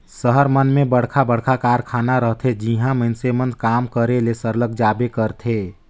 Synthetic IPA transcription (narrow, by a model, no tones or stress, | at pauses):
səɦəɾmənmẽbəɽkʰabəɽ̤kʰakaɾkʰaːnaɾəɦt̪ʰed͡ʒiɦãmənsemənd̪kaːmkəɾelesəɾləɡ̚d͡ʒabekəɾt̪ʰe